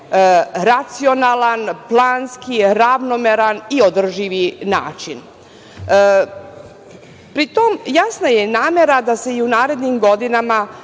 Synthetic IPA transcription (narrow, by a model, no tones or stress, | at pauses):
ɾat̪sio̞naːlˠanplˠaːnskiɾaʋno̞meɾanio̞d̪r̩ʒiʋina̰ːt͡ʃin | pɾit̪o̞mjasnaje̞naːme̞ɾad̪ase̞iunaːɾe̞d̪nimɡo̞d̪inama